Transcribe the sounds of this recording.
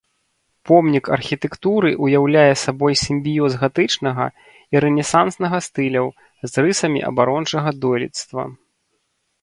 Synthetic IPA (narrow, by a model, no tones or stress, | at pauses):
pɔmnʲikɐ̰rxʲit̪ɛkt̪uɾɨʔujawlʲajɛsabɔjsʲimʲbʲijɔzɣat̪ɨt͡ʂnɐɣɐ̰ | iɾɛnʲɛsansnɐɣɐst̪ɨlʲɐw | zrɨsɐmʲḭʔɐ̰baɾɔnt͡ʂɐɣɐd̪ɔlʲḭt̪st̪vɐ̰